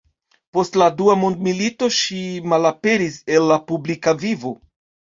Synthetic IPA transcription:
po̞stladuamondmilito̞ʃimalape̞ɾise̞nːapublikavivo̞

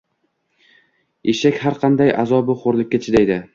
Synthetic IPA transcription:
eʃakʲhaɾqʰɑnd̪ajazɒbɪχoɾlˠɪkʲːat͡ʃʰɪd̪ajd̪ɪ

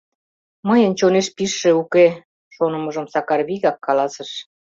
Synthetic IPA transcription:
məjənt͡ɕoneʃpiʃːĕuke | ʃonə̆mɤ̆ʒə̆msɑkɑrβiɣɑkːɑlɑsə̆ʃ

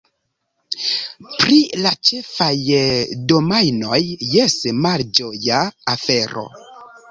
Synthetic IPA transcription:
pɾilat͡ʃefajdo̞majno̞jːesmald͡ʒojaːfe̞ɾo̞̰

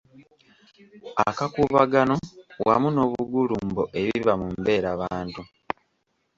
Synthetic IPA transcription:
akakuːβaɡano̞wamuno̞ːβuɡulumbo̞ʔe̞βiβamumbe̞ːɾaβaːntu

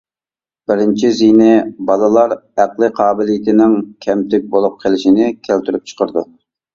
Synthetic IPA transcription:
b̥ɪɾɪnt͡ʃʰizijnɪbɑlˠɨlˠɑɾæqlˠɨqʰɑːbɪlijɪt̪ʰɪnɪŋkʲʰɛmt̪ɪk̚ʲbolˠup̚qʰelɪʃɪnɪkʲʰælt̪yɾyp̚t͡ʃʰə̥qʰəɾd̪u

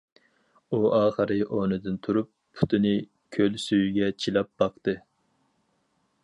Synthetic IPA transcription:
uɑːχəɾɨʔonɨd̪ɨnt̪ʰuɾup̚ːʰu̥t̪ʰɨnɨ | kʲʰølsyjyɡʲɛt͡ʃʰilɑp̚b̥ɑqt̪ɨ

